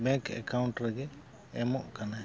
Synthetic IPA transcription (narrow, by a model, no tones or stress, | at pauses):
bɛ̃ŋkɛ̰kawɳʈɾɛɡɛː | mɔʔkana